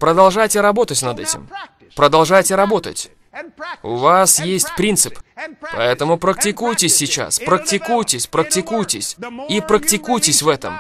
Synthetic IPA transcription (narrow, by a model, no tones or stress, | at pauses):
pɾəd̪ɐlˠʐajtʲɪɾɐbo̞t̪ətʲnɐd̪ɛtʲɪ̰m | pɾəd̪ɐlˠʐajtʲɪɾɐbo̞t̪ə̰tʲ | ʊ̰vasjesʲtʲpɾʲint̪sɨ̥ppɐ̰ɛt̪əmʊpɾək̚tʲɪkujtʲɪsʲːɪt͡ɕa̰spɾəktʲɪkujtʲɪsʲpɾək̚tʲɪkujtʲɪsʲipɾəktʲɪkujtʲɪsʲvɛt̪ə̰m